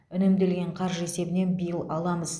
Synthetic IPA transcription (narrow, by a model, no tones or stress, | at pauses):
ʏnɪmd̪e̞lɡʲe̞ɴqʰɑɾʒe̞se̞bɪne̞nbijəlˠɑlˠɑməz̥